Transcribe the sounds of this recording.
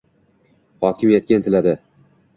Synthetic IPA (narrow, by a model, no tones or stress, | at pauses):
hɒkʲʰɪmjet̪̚kʲant̪ʰɪlad̪ɪ